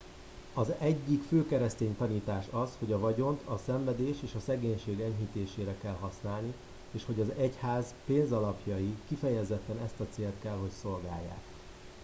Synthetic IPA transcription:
ɒzɛɟːikføːkɛɾɛst̪eːɲt̪ɒniːt̪aːʃɒsho̞ɟɒvɒɟo̞nt̪ʰɒsɛɱvɛd̪eːʃeːʃɒsɛɡeːɲʃeːɡɛɲɦit̪eːʃeːɾɛkɛlɦɒsnaːlni | eːʃho̞ɟɒzɛchaːz | peːnzɒlɒpjɒjikifɛjɛzɛt̪ːɛnɛst̪ɒt̪seːlt̪kɛlɦo̞cso̞lɡa̰ːjːa̰ːk

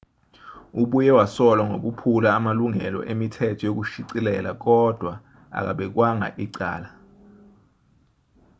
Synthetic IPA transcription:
uɓujɛwasɔlwaŋok̬upʰulaːmaluŋɛlɔ̰ʔemitʰɛtʰɔjok̬uʃiǀilɛlak̬ɔd̥ʱwa | a̰k̬a̰ɓɛk̬waŋa̰ʔiǀa̰ːla

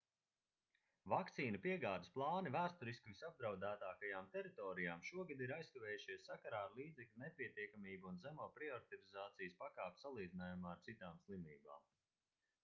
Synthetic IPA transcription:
vakt̪siːnapiɛɡaːd̪əsplˠɑːnivæːst̪ɔɾiskʲuvisab̚d̪ɾawd̪æːt̪aːkajaːmt̪ɛɾit̪ɔːɾijaːmʃuɔɡad̪iɾajst̪uvʲɛːjuʃiɛsːakaɾaːɾlˠiːd̪zɛklʲunɛpʲiɛt̪iɛkamiːbuunzæmuɔpɾiɔɾit̪ɔɾizaːt̪sijəspakaːp̚ʲsalˠiːd̪inaːjumaːaɾtsit̪aːmslˠimʲiːba̰ːm

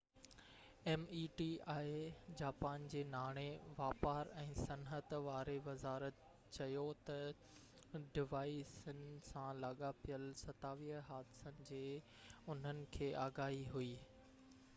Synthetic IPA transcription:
ɛːmiːʈiːaːed͡ʑaːpaːnd͡ʑeːnaːɽ̃eʋaːpaːɾɛ̃ːsɐnɦət̪ʋaːɾeʋɐzaːɾət̪ | t͡ɕɐjot̪ɐ | ɖɪʋaːisənɪ̆sãlaːɠapijəlsɐt̪aːʋiːɦəɦaːd̪ɪsənɪ̆d͡ʑeː | ʊn̤ənɪ̆kʰeːʔaːɡaːɦiɦuiː

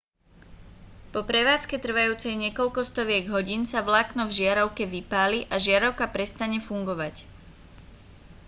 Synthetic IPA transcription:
pɔpɾɛʋaːt͡skɛt̪r̩ʋajuːt͡sɛjɲɛkɔʎkɔst̪ɔʋɪɛɡɦɔɟiːnsaʋlaːknɔvʒɪaɾɔʊkɛʋipaːliʔaʒɪaɾɔʊkapɾɛst̪aɲɛfuŋɡɔʋac

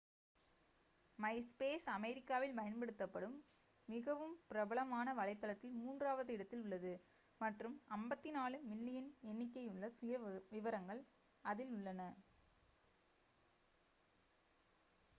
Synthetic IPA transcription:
mɐɪspeːsɐmɛɾɪkːaːʋɪlpɐjɐnpɐɽɯt̪ːɐpːɐɽɯmː | ɪɣɐʋɯmpɪɾɐbɐɭɐmaːnɐʋɐlɐɪt̪ːɐlɐt̪ːɪlmuːndraːʋɐðɯɪɽɐt̪ːɪlʊɭːɐðɯ | mɐʈrɯmɐmbɐt̪ːɪnaːlɯʋɪlːɪjɪnɛnːɪkːɐɪʊɭːɐsʊjɐʋɪʋɐɾɐŋɡɐɭ | ɐðɪlʊɭːɐnɐ

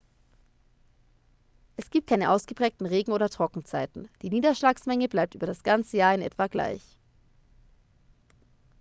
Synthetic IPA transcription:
ʔɛsɡ̥iːp̚t̚kʰaɪnəʔaʊsɡ̥əpʁ̥ɛːk̚tn̩ʁeːɡŋ̩oːɾɐtʁ̥ɔkŋ̩t͡saɪtn̩d̥iːniːdɐʃlaːksmɛŋəblaɪp̚tʔyːbɐɾasɡ̥ant͡səjaːɐɪnʔɛ̰tv̥aɡla̰ɪç

